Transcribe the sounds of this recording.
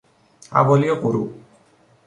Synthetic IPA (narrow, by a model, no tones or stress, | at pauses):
a̰bɔlijɔkoɾṵ